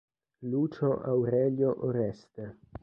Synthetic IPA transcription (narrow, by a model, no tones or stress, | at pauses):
lut͡ʃoʔawɾeljoʔoɾest̪e